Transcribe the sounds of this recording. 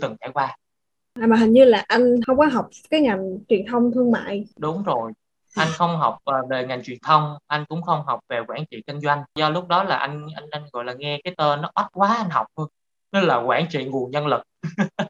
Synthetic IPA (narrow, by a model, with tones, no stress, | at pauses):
t̪ɨ˨˩ŋt͡ɕa̰˧˩jkwaː˧ | ʔaː˨˩ma˨˩ɦï˨˩ŋɲɨ˧laː˨˩ʔa˧jŋ̟hə˧wŋ͡mkɔ˨˦ɦa˨˩wk͡p̚kaː˨˦jŋa˨˩ŋt͡ɕwi˨˩ənt̪ʰə˧wŋ͡mt̪ʰɨ˧əŋma̰ː˧˨jɗʊ˨˦ŋ͡mzo˨˩j | ʔa˧jŋ̟xə˧wŋ͡mɦa˨˩wk͡p̚ʔəː˨˩ve˨˩ŋa˨˩ŋt͡ɕwi˨˩ənt̪ʰə˧wŋ͡mʔa˧jŋ̟kʊ̰˧˥ŋ͡mxə˧wŋ͡mɦɔ˨˩wk͡p̚ve˨˩kwaː˧˩nt͡ɕḭ˧˨kï˧ŋ̟zwa˧jŋ̟zɔ˧lʊ˦˥k͡p̚ɗɔ˨˦laː˨˩ʔa˧jŋ̟ʔa˧jŋ̟ʔa˧nɣɔ̰˧˨laː˨˩ŋɛ˧kaː˨˦jt̪əː˧nɔ˨˦ɓa˦˥t̚kwaː˨˦ʔa˧jŋ̟ɦɔ˨˩wk͡p̚hə˧ŋ | nə˦laː˨˩kwaː˧˩nt͡ɕḭ˧˨ŋu˨˩əŋɲə˧nlɨ˨˩k̚